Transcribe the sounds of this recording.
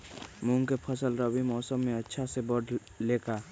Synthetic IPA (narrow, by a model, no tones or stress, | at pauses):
muŋkepʰəsəlɾəbimɔːsəmːẽətːʃʰasebəɽ | leka